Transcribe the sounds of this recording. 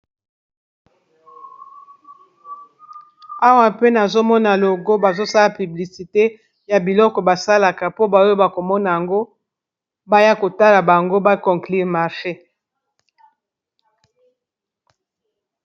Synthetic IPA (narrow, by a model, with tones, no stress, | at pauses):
a˦wa˨pe˦na˨zo˦mɔ˦na˨lo˨ɡo˦ba˨zo˦sa˦la˨py˨bli˨si˨te˦ | ja˨bi˨lɔ˦kɔ˨ba˨sa˦la˨ka˨po˦ba˨˦o˦ba˨ko˨mɔ˦na˨ja˨ŋɡo˦ | ba˦ja˦ko˨ta˦la˨ba˨ŋɡo˦ba˦kɔ˨ŋkli˦ʁma˨ʁʃe˦